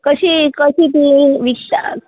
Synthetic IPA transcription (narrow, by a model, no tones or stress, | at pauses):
kəɕikəɕit̪iʋikɕa̰